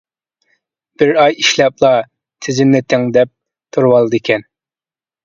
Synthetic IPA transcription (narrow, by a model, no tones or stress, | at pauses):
b̥ɪɾɑjiʃlɛplˠɑ | t̪ʰɪzɪnnːɪt̪ʰɪŋd̪ɛp̚ | t̪ʰuɾwɑlˠɨd̪ɨkʲɛn